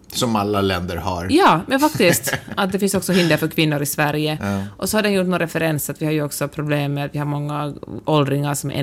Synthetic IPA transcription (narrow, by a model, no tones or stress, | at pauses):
sɔmalːalɛnd̪əɾha̰ɾjɑːmɛnfakt̪ɪst̪at̪̚d̪ɛfɪnsɔksɔɦɪnd̪əɾfœɾkʰvɪnːʊɾɪsvæɾjəʔɔsɔhaɖɛnjuʈːnoːnɾɛfɛɾɛnsat̪vɪhaɾjʉɔksɔpʰɾʊbleːmːet̪vɪhaɾmɔŋːaʔɔld̪ɾɪŋaɾʂɔmɛ̰